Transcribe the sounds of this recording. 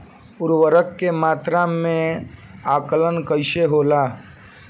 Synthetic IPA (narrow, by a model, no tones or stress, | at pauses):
ʊɾwəɾəkːemaːt̪ɾamẽaːkələnkəɪʃeɦoːlaː